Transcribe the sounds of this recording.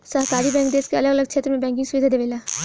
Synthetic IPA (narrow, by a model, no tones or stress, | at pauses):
səɦkaːɾiːbɛ̃ːŋk̚d̪eːskeələɡələɡ̚t͡ʃʰeːt̪ɾəmẽːbɛ̃ːŋk̬ɪ̃ŋɡsʊʋid̪ʱaːd̪eːʋeːlaː